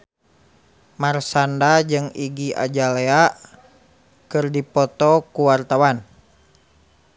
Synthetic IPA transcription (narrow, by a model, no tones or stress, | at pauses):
marsandad͡ʒɨŋiɡia̰d͡ʒalea | kɨrdipɔt̪ɔkuwart̪awan